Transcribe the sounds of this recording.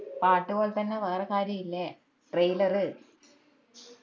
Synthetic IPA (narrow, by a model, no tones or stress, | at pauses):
paːʈːuɣoɭt̪ɐnːeʋɐːrɐkaːɾjɐjilːe | ʈrejlɐrɨ